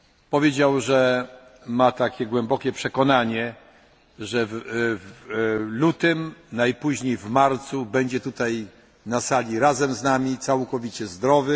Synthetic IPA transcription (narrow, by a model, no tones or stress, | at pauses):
pɔvʲjed͡ʑawʐɛ | mat̪akʲɛɡwɛmbɔkʲɛpʂɛkɔnaɲɛ | ʐɛvvlut̪ɘmnajpuʑɲejvmaɾt̪subɛɲd͡ʑɛt̪ut̪aj | nasalʲiɾazɛmznamʲit̪sawkɔvʲit͡ɕɛzd̪ɾɔvɘ